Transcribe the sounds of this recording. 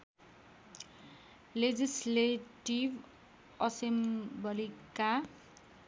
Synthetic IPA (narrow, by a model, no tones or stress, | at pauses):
led͡zisleʈib | ʌsembʌlika